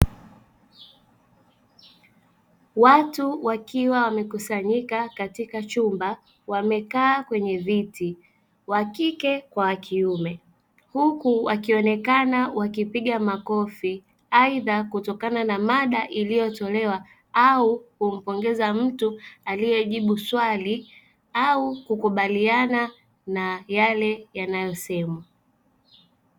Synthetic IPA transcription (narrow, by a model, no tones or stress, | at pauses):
watuwakiwawamɛkusaɲikakatikat͡ʃumba | wamɛkaːkwɛɲɛviti | wakikɛkwawakʰiumɛ | hukuwakiɔnɛkanawakipiɠamakɔfi | aiðakutɔkananamaɗaʔilijɔtɔlɛwa | aukum̩pɔŋɡɛzam̩tualijɛʄiɓuswali | aukukuɓaliana | najalɛjanajɔsɛma